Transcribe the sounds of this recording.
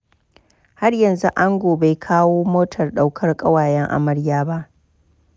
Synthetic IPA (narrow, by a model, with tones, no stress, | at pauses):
ha˦rjɐ˨nzu˦ʔa˦ŋɡʷoː˨ba˨jkʰaː˦woː˦moː˦tʰɐ˨rɗa˦wkʰɐ˦rkʼɐ˦waː˨jɛ˦ŋʔa̰˨mɐ˨˦ɽjaː˦ba˦ʔ